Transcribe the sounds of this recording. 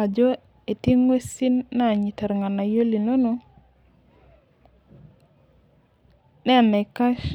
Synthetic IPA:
a˨d͡ʒo˦ | e˨ti˦ŋwe˦si˦nːa˦˨ɲi˨tɛ˨ɾŋa˨na˨jo˦li˨no˦no˦ | nɛ˦˨nɛ˨ka˦ʃ

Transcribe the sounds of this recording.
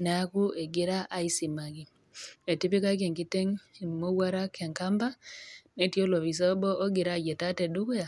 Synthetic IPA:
nɛ˨a˦ku˦e˨ɡɪ˦ɾa˦ʔa˦i˦si˨ma˨ɡi˨ | e˨ti˦pi˦ka˦k̬e˨ŋki˦te˦ŋ˨mo˦wa˦ɾa˦kʰɛ˨ŋka˦mba˦ne˨˦tjo˦lo˨βi˨s̬a˦bɔ˦ʔo˦ɡɪ˨ɾa˦˨d͡ʒe˨ta˦tɛ˨du˦ku˦ja˨

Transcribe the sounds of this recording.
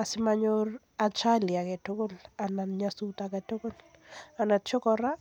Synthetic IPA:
a˨sɪmaɲor | a˨t͡ʃa˦lia˨kɛ˨to˦ko˦la˨nanɲasutakɛto˦ko˦l | a˨na˨tt͡ʃɔ˦kɔɾa˦

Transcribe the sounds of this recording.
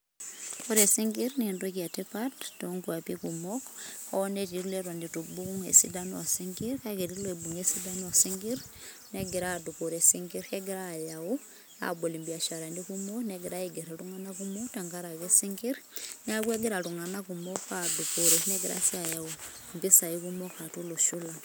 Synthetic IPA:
ko˦ɾe˨siŋɡi˦ɾnindo˦ki˨a˨tipattoŋkua˨pi˦kumokho˦ne˦ti˨ɾle˦ɾo˨ndi˨tu˨bu˦ku˦ŋḛ˨si˦da˦nua˨si˦ŋɡiɾkake˨ti˦le˨bu˨ŋe˦si˦da˦nu˦a˨si˦ŋɡi˦ɾ | neɡi˨ɾa˦du˨ko˨ɾe˨si˦ŋɡi˦ɾhe˦ɡi˦ɾa˨jawu | a̰˦bo˨li˨mbi˨a˨ʃa˨ɾa˨ndi˦kumo˦kneɡi˨ɾa˦iɡe˨ɾa˨tuŋa˦na˦ku˦mo˦kta˨ŋɡa˦ɾa˨ke˦siŋɡi˦ɾn˦a˦kwe˦ɡi˦ɾa˨tu˨ŋa˨na˦ku˨mo˦kadu˨ko˨ɾene˦ɡi˨ɾa̰˦si˦a˨ja˨u | mbi˦sa˨i˦kumokːa˨tu˦lo˨ʃu˦la˨

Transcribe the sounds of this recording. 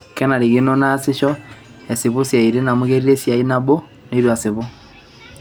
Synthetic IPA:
kɛ˦na˨ɾi˨ɣe˦no˦na˦se˦ʃɔ˦ | e˨si˨βo˦sja˨i˨ɾe˦na˨mo˦ɣe˦ɾi˦ɾe˦sja˨i˦na˦βo˦ | ne˦i˦ɾwa˨se˨βo˦

